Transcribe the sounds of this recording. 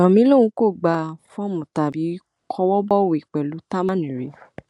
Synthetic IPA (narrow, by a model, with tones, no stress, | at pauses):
ɔ̃˨mĩ˨˦lo˦wũ˧˦ko˦˨ɡ͡ba˧fɔ̃˦mũ˨ta˧˨bi˨˦ | kʰɔ˧˦wɔ˦bɔ˦˨wo˨i˨k͡pɛ˨lu˨˦ta˦mã˦˨nĩ˨ɾe˨˦